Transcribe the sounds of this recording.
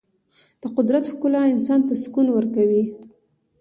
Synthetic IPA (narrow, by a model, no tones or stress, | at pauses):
d̪̥əqʊd̪ɾat̪hkulɑɪnsɑnt̪askunwəɾkawi